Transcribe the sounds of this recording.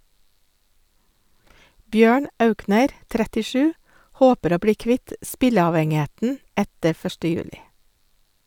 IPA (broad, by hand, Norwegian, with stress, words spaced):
ˈbjøːɳ ˈʔɑʉknəɾ ˌtɾætɪˈʃʉː ˈhoːpəɾ ˈoː ˈbɽiː ˈkʋɪt ˈʔspɪləɑʋɛŋɪˌheːtn̩ ˈætə ˈfœʃʈə ˈjʉːlɪ